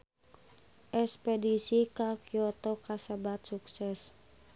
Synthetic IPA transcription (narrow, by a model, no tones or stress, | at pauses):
ʔɛspɛdisikakiɔt̪ɔkasabat̪suksɛs